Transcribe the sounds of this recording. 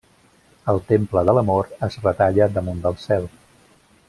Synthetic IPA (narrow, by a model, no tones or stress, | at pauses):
əlˠt̪empləðələmoɾəzrət̪aʎəd̪əmund̪əlˠsɛlˠ